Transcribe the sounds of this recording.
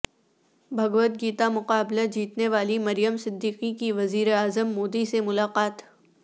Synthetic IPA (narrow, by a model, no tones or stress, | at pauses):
bʱɐɡʋət̪̚ɡiːt̪amʊqaːblad͡ʒiːt̪neʋaːlimɐɾijəmsɪd̪ːiːqikiʋɐziːɾeaːzəmːoːd̪isemʊlaːqaːt̪